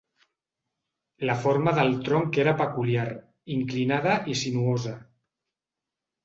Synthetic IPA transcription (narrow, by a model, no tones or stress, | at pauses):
ləfoɾmaðəlˠt̪ɾoŋkeɾapəkuljaɾ | iŋklinað̞əʔisinuoza